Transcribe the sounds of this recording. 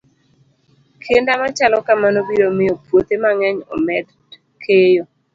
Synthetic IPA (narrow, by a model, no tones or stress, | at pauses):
kʰendamat͡ʃalɔkamanobiɾomɪjɔpwot̪emaŋɛɲɔ̰mɛd̪ | kʰejo